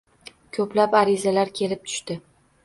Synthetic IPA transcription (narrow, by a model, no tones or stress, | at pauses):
kʲʰɵplapaɾɪzalaɾkʲʰe̞lɪp̚t̪ʰʊ̥ʃt̪ɪ